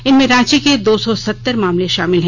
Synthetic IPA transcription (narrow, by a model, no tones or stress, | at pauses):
ɪnmẽɾãːt͡ʃiked̪oːsɔsɐt̪ːəɾmaːmleʃaːmɪlɦɛ̃